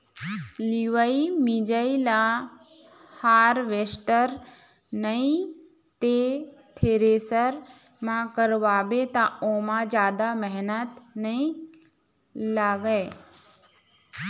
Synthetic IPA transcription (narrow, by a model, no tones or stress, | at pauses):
liʋəimid͡ʒəila | haːɾʋesʈəɾ | nəĩ | t̪et̪ʰeːɾesəɾ | mãkəɾʋaːbet̪aoːmãd͡ʒjaːd̪aməɦnət̪nəĩ | laːɡəe